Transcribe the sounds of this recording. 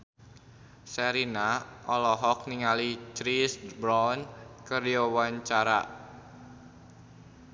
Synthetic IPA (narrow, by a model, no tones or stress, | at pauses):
sɛɾinaʔɔlɔɦɔk̚niŋalit͡ʃɾisbɾɔnkərdiɔwaɲt͡ʃaɾa̰